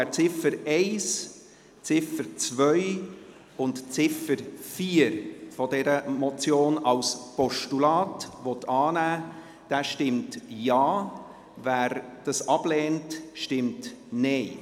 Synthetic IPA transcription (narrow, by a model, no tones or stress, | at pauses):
æt͡sɪfəɾɛɪs | t͡sɪfəɾt͡svœʏ | ʊntt͡sɪfəɾfiːəɾfɔdɛɾəmɔt͡sjoːnɑlspɔʃtulɑːtʋɔtɑːnæː | d̥æːʃtɪmtjɑː | væːɾd̥ɑsɑb̥lɛːntʃtɪmtneɪ